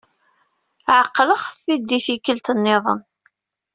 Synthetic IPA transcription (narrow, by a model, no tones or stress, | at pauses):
ʕəqːləχθid̪ːiθikəlt̪ənːɪðˤə̰n